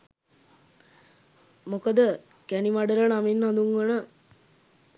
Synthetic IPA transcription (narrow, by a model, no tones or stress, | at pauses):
mokəd̪ə | kænimaɖəɾənaminːɦãnd̪uŋɡənə